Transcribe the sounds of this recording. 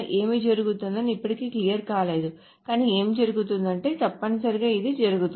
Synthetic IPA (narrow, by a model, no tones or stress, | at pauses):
ʔe̞ːmiːd͡ʒɐɾuɡut̪und̪ɐnːiipːɐʈikeːkliːjɐɾkaːle̞ːd̪u | kaːniːe̞ːmd͡ʒɐɾuɡut̪und̪ɐɳʈe̞ːt̪ɐpːɐnɐsɐɾiɡaːid̪id͡ʒɐɾuɡut̪